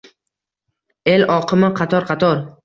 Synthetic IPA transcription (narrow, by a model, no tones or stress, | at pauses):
e̞lɒqʰɨmɪqʰɑt̪ʰɒɾqʰɑt̪ʰɒɾ